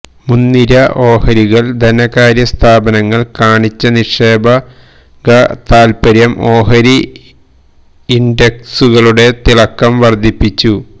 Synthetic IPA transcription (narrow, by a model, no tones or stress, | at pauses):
munːiɾɐʔo̞ːhɐɾiɣɐɭd̪ʱɐnɐkaːɾjɐst̪ʰaːbɐnɐŋːɐɭkaːɳit͡ɕːɐniʂe̞ːbɐ | ɡɐt̪aːlpɐɾjɐmo̞ːɦɐɾi | nde̞ksuɣɐɭuɽe̞t̪iɭɐkːɐmʋɐrd̪ʱipːit͡ɕːu